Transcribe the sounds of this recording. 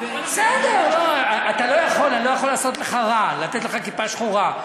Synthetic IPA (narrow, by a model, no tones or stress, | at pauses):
bsed̪eʁloaat̪alo̞jaχo̞lalo̞jaχo̞lːaːso̞t̪leχaʁalat̪et̪leχakipaʃχuʁa